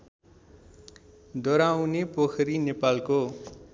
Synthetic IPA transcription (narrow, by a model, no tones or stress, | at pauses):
d̪ʌɾawnepokʰɾinepalko